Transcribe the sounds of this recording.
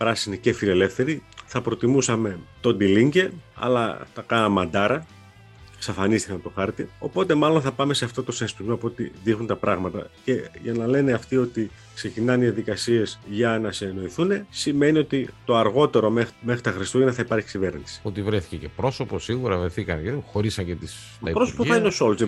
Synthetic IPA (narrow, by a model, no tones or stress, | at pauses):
pɾɐsinice̞file̞le̞fθe̞ɾiθɐpɾo̞t̪imusɐme̞t̪o̞nd̪iliɲɟe̞ɐ̰lɐ̰θɐkɐnɐmɐnd̪ɐɾɐ | ksɐfɐnist̪ikɐnt̪o̞xɐɾt̪io̞̰po̞t̪e̞mɐlo̞nθɐpɐme̞seɐft̪o̞t̪o̞sesp̪uzmopot̪iðixunt̪ɐpɾɐɣmɐt̪ɐ̰ce̞ʝɐnɐle̞neɐft̪io̞t̪i | kse̞cinɐniɐðikɐsie̞zʝɐnɐseːno̞iθune̞sime̞nio̞t̪it̪o̞ɐɾɣo̞t̪e̞ɾo̞mexmexɾit̪ɐxɾist̪uineθɐipɐɾçi̥scive̞ɾnisi̥ot̪ivɾeθi̥cece̞pɾo̞so̞posiɣuɾɐvɾeθikɐ̰nexo̞ɾisɐɲcet̪is | ɐipɾosopoɐineo̞so̞lz